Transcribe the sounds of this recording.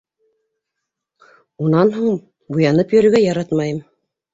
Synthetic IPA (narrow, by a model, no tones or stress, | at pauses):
unɑnɦuɴ | bujɑnɤpjɵ̆ɾɵ̆ɡæjɑɾɑt̪mɑjɤm